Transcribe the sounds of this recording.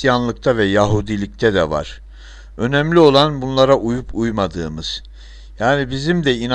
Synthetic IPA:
janlˠɯk̚t̪ʰavɛjaɦud̪ilʲic̚t̪ʰɛd̪ɛva̰ɾ̥ | ø̞nɛmlʲio̞lˠanbunlˠaɾaʔujupʰujmad̪ɯːmɯz̥ | jaːnibizimd̪ɛin

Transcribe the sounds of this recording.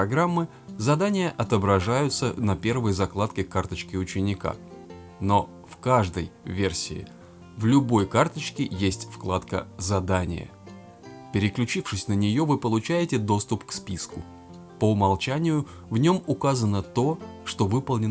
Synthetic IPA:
pɐɡɾamːɨ | zɐd̪anʲɪjəʔɐt̪əbɾɐʐajʊt̪sənɐpʲe̞rvəjzɐklˠat̪kʲɪkart̪ət͡ɕkʲɪʊt͡ɕɪnʲɪka̰ | no̞ | fkaʐd̪əjvʲe̞rsʲɪ̰ɪ̰ | vlʲʊbo̞jkart̪ət͡ɕkʲɪjesʲtʲfklˠat̪kə̰zɐd̪anʲɪ̰jə̰ | pʲɪɾʲɪklʲʉt͡ɕifʂɨsʲnənʲɪjo̞vɨpəlˠʊt͡ɕæjɪtʲɪd̪o̞st̪ʊpkspʲiskʊ | pəʊmɐlˠt͡ɕænʲɪjʊ | vnʲo̞mʊkazənət̪o̞ʂt̪o̞vɨpəlˠnʲɪn

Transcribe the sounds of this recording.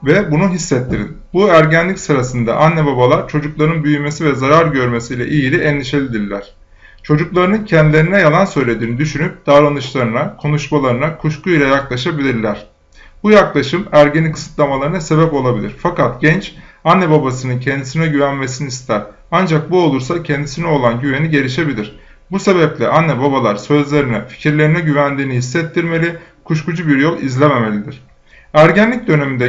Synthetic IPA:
vɛbunuɦisːɛt̪ʰːiɾḭnbuæɾɟænlʲicsɯɾasɯnd̪a̰ʔanːɛbabalˠaɾt͡ʃʰo̞d͡ʒuklˠaɾɯnbyjyme̞sivɛzaɾaɾɟø̞ɾme̞sijlʲɛ̰ʔijilʲiʔɛnlʲiʃelʲid̪iɾlʲæɾ̥ | t͡ʃʰo̞d͡ʒuklˠaɾɯnɯncʰɛnd̪ilʲe̞ɾinɛjalˠansø̞jlʲe̞d̪iːnid̪yʃynyp̚d̪̥aɾanɯʃlˠaɾɯnakʰo̞nuʃmalˠaɾɯnakʰuʃkuilʲˠajaklˠaʃabilʲiɾlʲæɾ̥ | bujaklˠaʃɯmæɾɟenikʰɯ̥sɯ̥t̪lˠamalˠaɾɯnase̞bɛpo̞lˠabilʲḭɾfakat̪ɟ̥ɛnt͡ʃanːɛbabasɯnɯncʰɛnd̪isinɛɟyvænme̞siniːst̪ʰæɾ | and͡ʒak̚buo̞lˠuɾsacʰɛnd̪isinɛolˠanɟyve̞niɟe̞ɾiʃe̞bilʲiɾ̥ | buse̞bɛplʲɛ̰ʔanːɛbabalˠaɾsø̞zlʲe̞ɾinɛfi̥cʰiɾlʲe̞ɾinɛɟyvænd̪iːniɦisːɛt̪ʰːiɾme̞lʲi | kʰuʃkud͡ʒubiɾjo̞lˠizlʲeme̞me̞lʲid̪iɾ̥ | æɾɟænlʲic̚d̪ø̞ne̞mind̪ɛ

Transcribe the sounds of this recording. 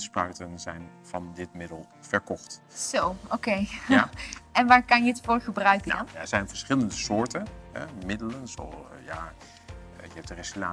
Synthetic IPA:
sprœɥtənzɛjn | v̥ɑndɪtmɪdəlˠ | fɛɹkɔχt | z̥owokej | ɛnʋaːɹkɑnjəətfʊːɹχəbrœɥkəndɑnjaɛɹzɛjnvəɹsχɪləndəsʊːɹtənɦɛ̰mɪdələnso̰ja | jəɦɛp̚tərɛslaː

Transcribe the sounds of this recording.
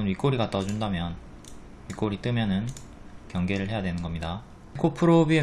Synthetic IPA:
ɯnɥik͈oɾiɡat͈ʌd͡ʑundamjʌn | ɥik͈oɾit͈ɯmjʌnɯn | kjʌŋɡe̞ɾɯɭɦe̞jadwe̞nɯnɡʌmɲida | kʰopʰɯɾobie

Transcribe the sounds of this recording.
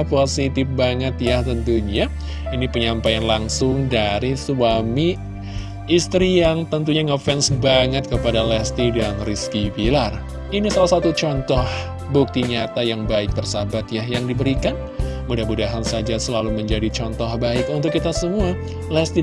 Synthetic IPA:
posit̪ɪfbaŋət̪jaht̪ənt̪uɲa | inipəɲampajanlaŋsʊŋdaɾisuamiː | st̪ɾijaŋt̪ənt̪uɲaŋofɛnsbaŋət̪̚kəpadalɛst̪idanriskibilar | inisalahsat̪ut͡ʃɔnt̪ɔh | buk̚t̪iɲat̪ajaŋbaɪk̚bərsabat̪jahjaŋdibəɾikan | mudahbudaɦansad͡ʒasəlaluməɲd͡ʒadit͡ʃɔnt̪ɔhbaɪkunt̪ʊkːit̪asəmua | lɛst̪i

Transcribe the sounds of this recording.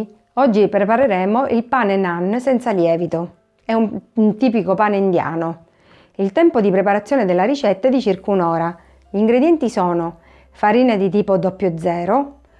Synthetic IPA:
ɔd͡ʒːipɾepaɾeɾɛːmoʔilpaːnenanːsɛnt̪saljɛːvit̪o | ɛunnt̪iːpikopaːneind̪ja̰ːno | ilt̪ɛmpod̪ipɾepaɾat̪sːjɔːned̪elːaɾit͡ʃɛt̪ːaɛd̪it͡ʃirkunɔːɾa | ʎiːŋɡɾed̪jɛnt̪isɔːno | faɾiːned̪it̪iːpod̪ɔpːjod̪zːɛːɾo

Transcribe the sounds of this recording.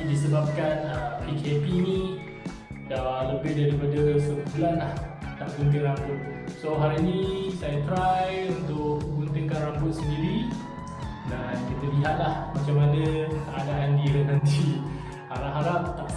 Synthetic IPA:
disəbap̚kanəpikepini | daləbɪhdaɾipadəɾəsəbulanlaht̪ap̚ɡunt̪ɪŋrambʊt̪̚soɦaɾinĩsajat̪ɾajunt̪ʊkəɡunt̪iŋkanrambʊt̪̚səndiɾi | dankit̪əliɦat̪̚lahmat͡ʃamanəkəadaʔandiənãnt̪i | haɾapɦaɾap̚t̪a

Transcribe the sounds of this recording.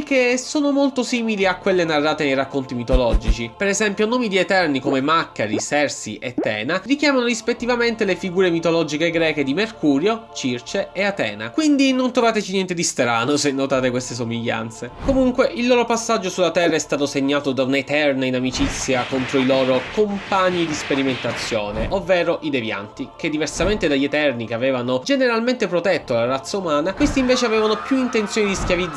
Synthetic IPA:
k̟ːesoːnomolt̪osiːmiliakːwelːenarːaːt̪enejrakːont̪imit̪olɔd͡ʒit͡ʃipɛɾɛzɛmpjonoːmid̪iet̪ɛrnikomemakːaɾisɛrsḭʔet̪ːɛ̰ːnarik̟jaːmanoɾispet̪ːivament̪elefiɡuːɾemit̪olɔd͡ʒikeɡɾɛːked̪imerkuːɾjot͡ʃirt͡ʃeeat̪ɛ̰ːna̰kwind̪inont̪ɾovaːt̪et͡ʃinjɛnt̪ed̪ist̪ɾaːnosenːot̪aːt̪ekwest̪es̬omiʎːa̰nt̪sekomuŋkweʔilːoːɾopasːad͡ʒːosulːat̪ɛrːaɛst̪aːt̪oseɲːaːt̪od̪aunet̪ɛrnainamit͡ʃit̪sːjakont̪ɾoilɔːɾokompaɲːid̪ispeɾiment̪at̪sːjoːneʔovːɛːɾoʔid̪evja̰nt̪ik̟ed̪ːiversament̪ed̪aʎːet̪ɛrnikeavɛːvanod͡ʒeneɾalment̪epɾot̪ɛt̪ːolarat̪sːaumaːnakwest̪iɱveːt͡ʃeavɛːvanopjuint̪ent̪sjoːnid̪iskjavid̪z

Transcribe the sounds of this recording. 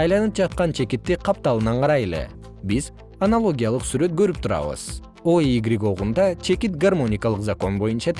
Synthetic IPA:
ɑjlˠɑnɯp̚d͡ʒɑt̪̚qɑnt͡ʃʰe̞kit̪ːiqʰɑp̚t̪ɑlˠɯnɑɴqʰɑɾɑje̞lḛ | biz | ɐnalˠo̞ɡʲijalˠɯqsyɾø̞t̪̚ɡø̞ɾyp̚t̪ʰuɾɑ̰βɯ̰z̥ | oiɡɾʲiɡo̞ʁund̪ɑt͡ʃʰe̞kit̪ɡarmo̞nʲɪkɑlˠɯqzako̞nbo̞junt͡ʃɑ

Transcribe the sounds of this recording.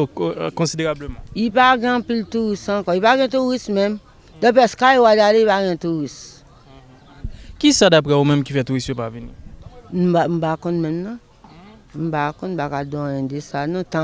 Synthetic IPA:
okɔ̃sideʁabləmãipaɡɛ̃piltuɣisãkɔipaɡɛ̃t̬uɣismɛ̃m | dɔ̃pɛskajwadaleipaɡɛ̃tuɣis | kisadapɣɛomɛ̃mkifɛtuɣisjopavinḭn̩bam̩bakɔ̃nmɛ̃mnã | m̩bakɔ̃n̩pakadɔ̃ɛ̃desanɔ̃tã

